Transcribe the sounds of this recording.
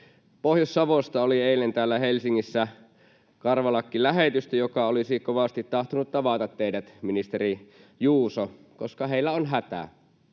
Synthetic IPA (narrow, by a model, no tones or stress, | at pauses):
pohjosːɑʋost̪ɑolieˑilːent̪æːlːæhelsiŋːisːæ | kɑrʋɑlɑkːilæɦet̪yst̪æjokɑolisikoʋɑst̪it̪tɑht̪onut̪t̪ɑʋɑˑt̪ɑt̪teidæt̪minist̪eri | juːso | koskɑɦeilːæonɦæt̪æ̰